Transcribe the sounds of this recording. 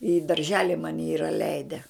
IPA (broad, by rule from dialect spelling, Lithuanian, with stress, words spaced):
ɪ dɐrʲˈʒʲæːlʲɪ ˈmɑːnʲɪ ˈiːrɐ ˈlʲɛɪdʲɛ